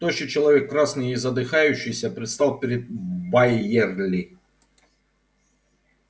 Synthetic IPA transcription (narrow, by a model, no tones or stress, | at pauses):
t̪oɕɨt͡ɕɪlˠɐvʲekːɾasnɨjizɐd̪ɨxajʉɕːɪjsʲɐpɾʲɪt̪st̪ɑlˠpʲɪɾʲɪd̪̚bɐjɛrlʲɪ